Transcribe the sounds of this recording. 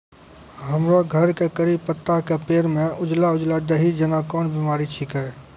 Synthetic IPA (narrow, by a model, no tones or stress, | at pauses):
ɦəmɾaɡʱəɾkekəɾib̚pət̪ːakepeːɾmẽʊd͡ʒlaʊd͡ʒlad̪əɦid͡ʒənakɔːnbimaːɾit͡ʃʰikɛ